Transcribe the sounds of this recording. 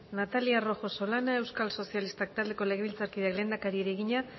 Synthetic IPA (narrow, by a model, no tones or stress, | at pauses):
nat̪aliaro̞xo̞so̞lanae̞wskalso̞sialist̪ak̚t̪ald̪e̞ko̞leɣeβilt͡saɾkiðekle̞ːnd̪akaɾieɾeɣiɲa